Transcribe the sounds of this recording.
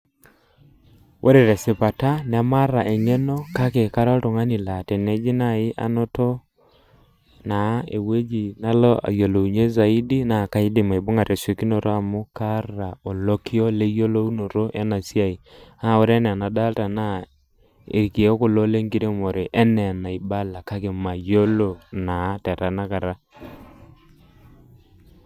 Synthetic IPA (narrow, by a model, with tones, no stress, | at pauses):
wʔo˦ɾe˨ɾe˨sɪ˨pa˨ta˦nɛ˨˦ma˦ɾa˨ʔe˨ŋe˦no˦ka˦ke˨ka˦ɾa˦tʊ˨ŋa˦ni˨la˨tɛ˨ne˦d͡ʒi˦na˦ɪ˦ʔa̰˦nɔ˦to˦ | na˨˦ḛ˨we˦d͡ʒi˨na˦lo˦a̰˨jo˨lo˨u˨ɲe˦za˨i˦di˦na˨ka˦i˦dɪ˨ma˨i˨bʊ˦ŋa˨ɾe˨so˨ki˦no˨ɾʔo˦a˨mʊ˦ka˦ɾa˨o˨lo˦ki˦ɔ˦le˦jo˦lo˦u˦no˨ɾo˦ʔɛ˦na˨si˦a˨i˨a˦˨wʊ˦ɾe˦nɛ˨na˨da˦lta˨na˦ | ḛ˨ɾi˨ki˨e˦kʊ˨lo˦le˦ŋɡi˦ɾe˦mɔ˨ɾe˨ʔɛ˦nɛ˨na˨ɪ˨ba˦la˨ka˦kɪ˨ma˨jo˦lo˨na˨˦tɛ˨ɾa˨na˦ka˨ɾa˦